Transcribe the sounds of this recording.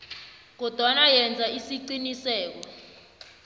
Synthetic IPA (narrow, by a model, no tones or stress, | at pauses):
k̬ɔd̥ʱwanajɛnd͡zʱaisiǀinisɛːk̬ɔ